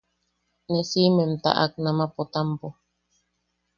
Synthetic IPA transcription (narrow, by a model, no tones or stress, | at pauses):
nesimem̩t̪a̰ʔa̰k̚namapot̪ampo